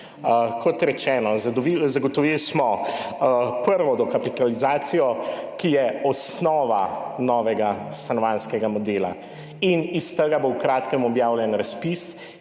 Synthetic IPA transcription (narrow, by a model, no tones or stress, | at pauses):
kʰɔt̪ɾɛt͡ʃɛːnɔzizaɡɔt̪ɔʋilsmɔ | pəɾʋɔd̪ɔkapit̪alizaːt̪sijɔkijɛɔsnɔːʋanɔːʋɛɡasanɔʋanskɛɡamɔd̪eːla̰ | inist̪əɡabowkɾaːt̪kɛmɔbjaːwlʲjɛnɾaspis